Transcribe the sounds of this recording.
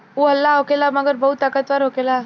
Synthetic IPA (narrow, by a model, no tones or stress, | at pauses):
uəlːaɦokelaməɡəɾbɐɦut̪ːakət̪ʋaɾɦokela